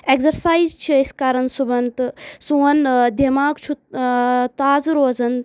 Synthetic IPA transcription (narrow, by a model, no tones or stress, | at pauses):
ekzɐɾsaːizt͡ʃʰiiskaːɾɐnsubɐnt̪suɐnd̪ʱemaːkt͡ʃʰu | t̪aːzɾoːzɐn